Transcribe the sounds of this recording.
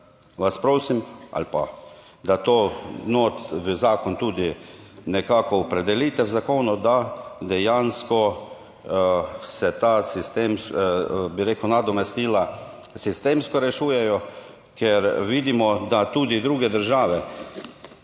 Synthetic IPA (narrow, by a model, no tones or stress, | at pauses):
ʋaspɾoːsima̰lpa̰ | d̪at̪oːnoːt̪ʋəzaːkɔnt̪uːd̪inɛkaːkɔːpɾɛd̪ɛlit̪ɛwzakoːnɔd̪ad̪ɛjanskɔ | sɛt̪aːsist̪emsbiɾeːkwnad̪ɔmɛst̪iːla | sist̪eːmskɔɾɛʃuːjɛjɔ | kɛɾʋid̪imɔd̪at̪uːd̪id̪ɾuːɡɛd̪əɾʒaːʋɛ